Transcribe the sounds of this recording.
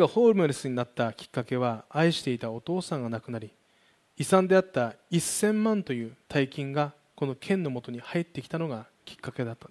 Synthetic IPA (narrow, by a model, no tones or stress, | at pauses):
ɡaho̞ːɾɯmɯɾesɨɲ̟inat̪ːakʲi̥kːake̞β̞aaiɕi̥t̪e̞it̪ao̞t̪o̞ːsãŋɡanakɯ̟naɾʲi | isãnd̪e̞at̪ːaisːẽ̞mːãnt̪o̞jɯ̟ːt̪ʰaikʲĩŋɡa | ko̞no̞kʰẽ̞nːo̞mo̞t̪o̞ɲ̟ihait̪ːe̞kʲi̥t̪ano̞ɡa | kʲi̥kːake̞d̪at̪ːa